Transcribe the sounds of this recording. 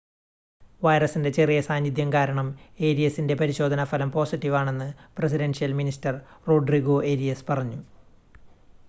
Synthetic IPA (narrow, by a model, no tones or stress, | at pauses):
ʋɐjrɐsinde̞t͡ɕe̞rijɐsaːnjid̪jɐmkaːɾɐɳɐmeːɾijɐsːinde̞pɐɾiɕo̞ːd̪ʱɐnɐfɐlɐmpo̞ːsitːiʋaːɳe̞nːɨpresiɾenʂijɐlministɐrro̞ːɖriɣoʔeːɾijɐspɐrɐɲːu